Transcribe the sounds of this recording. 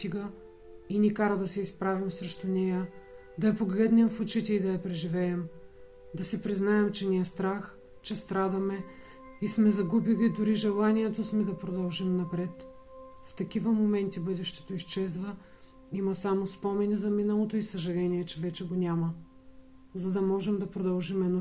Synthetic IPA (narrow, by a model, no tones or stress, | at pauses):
st̪iɡə | inʲikaɾəd̪ɐsɛispɾavimsɾɛʃt̪onɛjə | d̪ɐɐpoɡlʲɛd̪nɛmfʊt͡ʃit̪ɛid̪ɐɐpɾɛʒivɛɛm | d̪ɐsɛpɾiznaɛmt͡ʃɛnʲiɛst̪ɾax | t͡ʃɛst̪ɾad̪ɐmɛ | ismɛzɐɡubilid̪ʊɾiʒɛlˠaniɛt̪osmɛd̪ɐpɾod̪ɐlˠʒimnɐpɾɛt̪ | ft̪ɐk̟ivəmomɛnt̪ibɤd̪ɛʃt̪ɛ̥t̪oist͡ʃɛzvə | imɐsamospɔmɛnizɐminəlˠot̪oisɐʒɐlɛniɛt͡ʃɛvɛt͡ʃɛɡonʲamɐ | zɐd̪ɐmɔʒɛmd̪ɐpɾod̪ɐlˠʒimɛno